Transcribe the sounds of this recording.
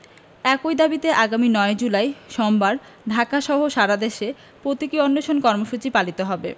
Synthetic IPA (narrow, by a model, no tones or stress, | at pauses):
ɛkojd̪abit̪eʔaɡaminɔed͡ʑulajʃɔmbaɾ | ɖʱakaʃɔɦoʃaɾad̪eʃe | pɾot̪ikionːoʃonkɔɾmoʃut͡ɕipalit̪oɦɔbḛ